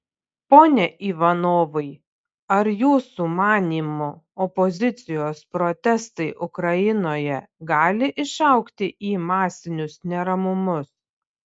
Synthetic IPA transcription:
poːnʲɛʔiːʋɐnoːʋɐɪ | ɐɾjuːsuːmɑːnʲiːmʊ | ɔpɔzʲɪt̪sʲɪjoːspɾɔt̪ʲɛst̪ɐɪʔʊkɾɐjɪnoːjɛɡɑːlʲɪʔɪʃɑˑʊkt̪ʲɪʔiːmɑːsʲɪnʲʊsnʲɛɾɐmʊmʊs

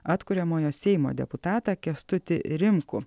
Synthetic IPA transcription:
ɑːt̪kʊɾʲɛmoːjoːsʲɛɪmo̰ːd̪ʲɛ̰pʊt̪ɑːt̪ɑkʲɛst̪ʊt̪ʲɪ̰ɾʲɪmkʊ̰

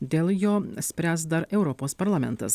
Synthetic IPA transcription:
d̪ʲeːlˠjoːsʲpʲɾʲæːsd̪ɐɾɛʊɾɔpoːspɐɾlˠɐmʲɛ̰nt̪ɐ̰s

